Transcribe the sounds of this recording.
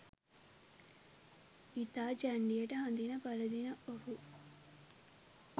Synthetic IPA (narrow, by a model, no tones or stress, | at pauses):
it̪aːd͡ʒɐɳɖijɐʈɐɦɐnd̪inɐpɐlɐd̪inɐʔoɦu